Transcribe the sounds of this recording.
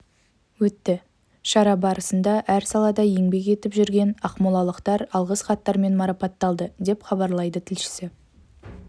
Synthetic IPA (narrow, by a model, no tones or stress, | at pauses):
wɵt̪ːɪ | ʃɑɾɑbɑɾəsənd̪ɑʔæɾsɑlˠɑd̪ɑje̞ŋbe̞k̬ʲe̞t̪ɪpʒʏɾɡʲe̞nɑqmʊlˠɑlˠəqt̪ɑɾɑlˠʁəsχɑt̪ːɑɾme̞nmɑɾɑpɑt̪ːɑlˠd̪əd̪e̞pχɑbɑɾlˠɑjd̪ət̪ʰɪlʃɪ̥sɪ